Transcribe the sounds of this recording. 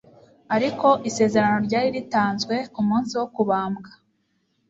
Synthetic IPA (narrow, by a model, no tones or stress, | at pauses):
aɾiko̞ʔise̞ːze̞ɾano̞ɾɟaːɾiɾitaːnzɡwe̞kumuːnsiwo̞kuβaːmɡḁ